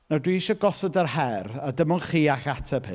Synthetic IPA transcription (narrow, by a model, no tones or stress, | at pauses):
nadwiiʃɔɡɔsɔdərɦɛradəmɔnχiːaχatʰəbʰɨ̰